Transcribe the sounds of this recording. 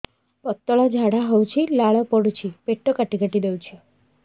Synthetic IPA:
pɔt̪ːɔɭad͡ʒʱaɽaɦowt͡ʃʰilaɭɔpɔɽut͡ʃʰipeʈːokaʈiɡʱəʈid̪ewt͡ʃʰe

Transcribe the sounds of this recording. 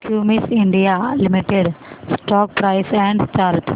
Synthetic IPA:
kʰjuːmisiɳɖijalimiʈːeɖsʈoːk̚pɾɐjsɛɳɖt͡ɕaːɾt̪ʰ

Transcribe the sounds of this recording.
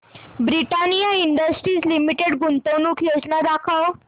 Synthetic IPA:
bɾiʈanijaiɳɖəsʈɾiːd͡zlimiʈeɽɡunt̪əwnuːkjod͡znad̪akʰaw

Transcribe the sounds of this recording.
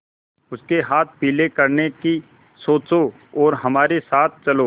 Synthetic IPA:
ʊskeɦaːt̪̚ʰpiːlekɐɾneki | soːt͡ʃo | ɔːɾɦɐmaːɾesaːt̪̚ʰt͡ʃɐloː

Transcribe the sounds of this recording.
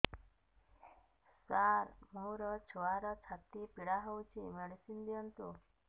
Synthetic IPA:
saɾmuɾɔt͡ʃʰuʋaɾɔt͡ʃʰat̪ipiɽaɦɔwt͡ʃʰimeɽisind̪iɔnt̪u

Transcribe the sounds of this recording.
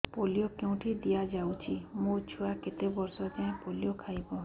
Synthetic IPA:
polijokeũʈʰid̪ijad͡ʒawt͡ʃʰimũt͡ʃʰuaket̪ebɔɾsɔt̪aẽpolijokʰajbɔ

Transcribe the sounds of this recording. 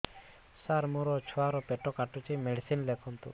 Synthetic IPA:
saɾmuɾɔt͡ʃʰuaɾɔpeʈɔkaʈut͡ʃimeɖisinlekʰɔnt̪ṵ

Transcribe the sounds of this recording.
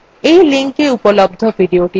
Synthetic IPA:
ejliŋkeupolobd̪ʱobʱiɖioʈi

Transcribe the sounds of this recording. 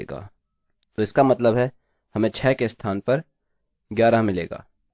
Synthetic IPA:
ɡa̰ː | t̪oːɪskamɐt̪ləbɦɛ | hɐmẽt͡ʃʰɛːkest̪ʰaːnpɐɾ | ɡjaːɾamɪlḛːɡa̰ː

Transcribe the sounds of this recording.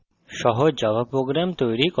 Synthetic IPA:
ʃɔɦod͡ʑɔbapɾoɡɾamt̪ojɾik

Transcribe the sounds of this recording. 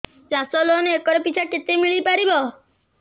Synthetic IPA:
d͡ʒãsɔlonekɔɾepit͡ʃʰaket̪emiɭipaɾibɔ

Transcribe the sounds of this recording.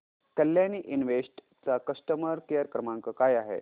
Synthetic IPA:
kəlːjaniʔinʋesʈ | t͡sakəsʈəməɾkejəɾkɾəmãŋkəkajaɦḛ

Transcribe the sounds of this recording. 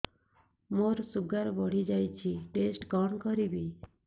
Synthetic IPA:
moɾsuɡaɾbɔɽ̤id͡ʒajt͡ʃʰiʈesʈɡɔɳkɔɾibi

